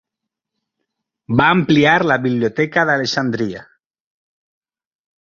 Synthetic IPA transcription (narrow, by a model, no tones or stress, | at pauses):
baːmpliaɾlaβiβljot̪ɛkaðaleʃand̪ɾia